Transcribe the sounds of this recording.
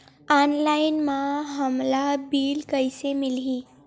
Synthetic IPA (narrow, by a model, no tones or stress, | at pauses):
anlajnmaɦəmlabiːlkəjsemilɦi